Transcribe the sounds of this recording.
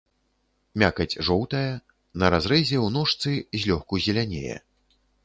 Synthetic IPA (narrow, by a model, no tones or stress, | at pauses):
mʲakɐd͡zʲʐɔwt̪ɐjɐ | nɐɾazɾɛzʲɛwnɔʂt̪sɨzʲlʲɔxkuzʲɛlʲanʲḛjɛ̰